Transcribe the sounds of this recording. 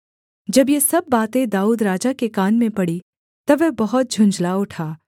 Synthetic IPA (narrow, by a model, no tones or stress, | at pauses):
d͡ʒɐbjesɐbːaːt̪ẽd̪aːuːd̪ɾaːd͡ʒakekaːnmẽpɐɽi | t̪ɐʋɛbɐɦʊt̪̚d͡ʒʱʊ̃nd͡ʒlaʊʈʰaː